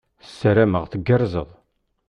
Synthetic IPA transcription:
sːəɾæməʁθəɡːəɾzəðˤ

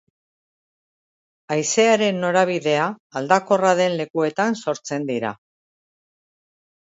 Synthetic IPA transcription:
ajse̞aɾe̞nːo̞ɾaβ̞iðe̞aːld̪ako̞raðe̞nle̞kue̞t̪anso̞ɾt͡se̞nd̪iɾa̰

